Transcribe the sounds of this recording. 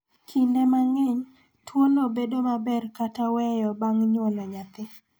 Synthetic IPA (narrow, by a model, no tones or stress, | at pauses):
kʰindɛmaŋɛɲ | twonobedomabɛrkatawɛjɔbaŋɲwɔnɔɲat̪ɪ